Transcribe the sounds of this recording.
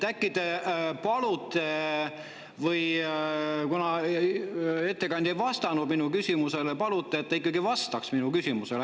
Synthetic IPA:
t̪ækːˑid̪̥epɑlut̪ːˑe | vɤj | kunɑ | e̞t̪ːe̞kɑnʲd̪̥ejvɑst̪ɑnud̪̥minukysʲimuse̞lepɑlut̪ːˑeːt̪ːɑikːˑɑɡivɑst̪ɑksminukysʲimusele

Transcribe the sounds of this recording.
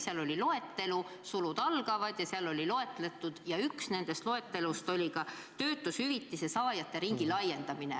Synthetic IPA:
seɑlo̞lʲilo̞e̞t̪ːe̞lu | sulud̪̥ɑlɡ̥ɑvɑd̪̥jɑseɑlo̞lʲilo̞e̞t̪ːˑle̞t̪ːˑud̪̥jɑyksne̞nd̪̥e̞st̪lo̞e̞t̪ːˑe̞lust̪o̞lʲikɑ | t̪ø̞ːt̪ːˑushyvit̪ːise̞sɑːjɑt̪ːˑe̞ɾiŋɡ̥ilɑje̞nd̪ɑmine̞̰

